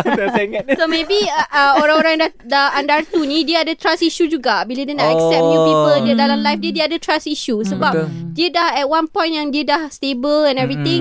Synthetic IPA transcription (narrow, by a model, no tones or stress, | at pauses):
seŋatsomẽbioɾãŋoɾãŋndadəandart̪unĩdiəadət̪ɾasiʃud͡ʒuɡabilədiənaʔɛksɛp̚dəpipəldiədalamlajfdiədiəadətʰɹasiʃusəbap̚diədahɛt̚wãnpɔ̃j̃nʔjãŋdiədahstebəlɛ̃nɛvɹit̪ɪ̃ŋ